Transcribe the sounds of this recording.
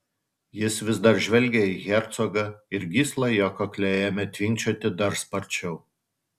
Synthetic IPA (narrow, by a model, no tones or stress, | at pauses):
jɪsʋʲɪzd̪ɐɾʒʲʋʲɛlʲɡʲɛiɣʲɛɾt̪sɔɡɐɪɾɡʲiːslˠɐjoːkɔklʲɛjɛmʲɛt̪ʲʋʲɪŋʲkt͡ʃʲoːt̪ʲɪd̪ɐɾspɐɾʲt͡ʃʲɛʊ